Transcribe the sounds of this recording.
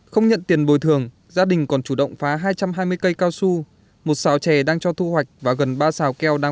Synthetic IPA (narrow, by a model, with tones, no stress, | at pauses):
xə˧wŋ͡mɲə̰˧˨nt̪i˨˩ənɓo˨˩jt̪ʰɨ˨˩əŋ | zaː˧ɗï˨˩ŋ̟kɔ˨˩nt͡ɕu˧˩ɗə̰˧˨wŋ͡mfaː˨˦ɦaː˧jt͡ɕa˧mɦaː˧jmɨ˧əjkə˧jkaː˧wsu˧ | mo˨˩t̚saː˨˦wt͡ɕɛ˧˩ɗaː˧ŋt͡ɕɔ˧t̪ʰu˧hwa˨˩jk̟̚vaː˨˩ɣə˨˩nɓaː˧saː˨˩wkɛ˧wɗaː˧